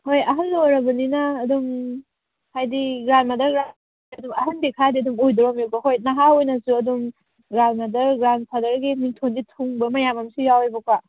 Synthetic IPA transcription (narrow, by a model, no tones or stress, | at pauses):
hojɐɦɐnːojɾɐbɐninɐːdum | hajdiɡɾanmɐdɐɾɡɾa | ɐdumɐɦɐndekʰadiɐdumojdɾɔmjukɐɦojnɐɦaojnɐsuɐdum | ɡɾanmɐdɐɾɡɾanpʰadɐɾɡimiŋtʰonɡitʰuŋbɐmɐjamɐmsujawejbɐkʰwa